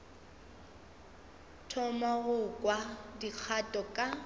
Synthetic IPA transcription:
tʰɔmaɣʊkʼwadik͡xʰatʼɔkʼa

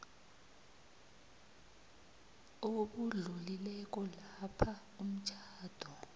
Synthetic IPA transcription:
oɓuɮulilɛk̬ɔlapʰa | um̩t͡ʃʰʼaːd̥ʱɔ

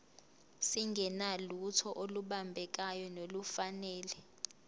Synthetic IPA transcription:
siŋɡʱɛnalutʰɔʔoluɓambʱɛk̬ajɔnolufanɛːlɛ

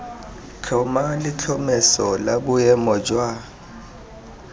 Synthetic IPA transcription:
kʰɔmalɪt͡ɬʰɔmɛsɔlabʊjɛmɔd͡ʒwa

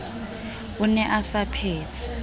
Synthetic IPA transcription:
unɛʔasapʰeːtʰi̥

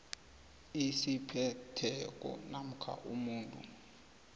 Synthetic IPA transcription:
isipʰɛtʰɛk̬ʼɔ̰nam̩kʰa̰ʔumuːntʼṵ

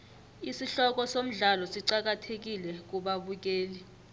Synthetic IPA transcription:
isiɬɔk̬ɔsom̩ɮalɔsiǀak̬atʰek̬ilɛk̬uɓaɓuk̬eːli

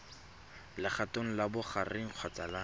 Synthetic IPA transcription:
lɪχatoŋ̩labʊχarɪŋ̩q͡χʰwat͡sala

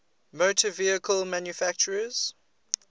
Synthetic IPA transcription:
motʰəviəkʰəlmãnjufæk̚t͡ʃəɹəz̥

